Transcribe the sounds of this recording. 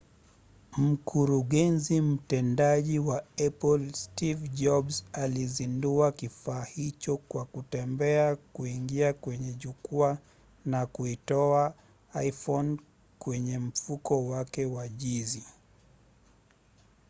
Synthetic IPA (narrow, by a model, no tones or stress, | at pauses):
m̩kʰuɾuɠɛnzim̩tɛndaʄiwaɛpɔlstivʄɔbsalizinduakifaːhit͡ʃɔkwakutɛmbɛakuiŋɡiakwɛɲɛʄukua | nakuitɔa | ajfɔn | kwɛɲɛm̩fukɔwakɛwaʄizi